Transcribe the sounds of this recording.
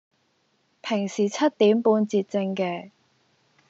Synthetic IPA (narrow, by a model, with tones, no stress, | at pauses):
pʰɪ˨˩ŋsiː˨˩t͡sʰɐ˥t̪̚iː˨˥mpuː˧nt͡siː˧t̚t͡sɪ˧ŋkɛː˧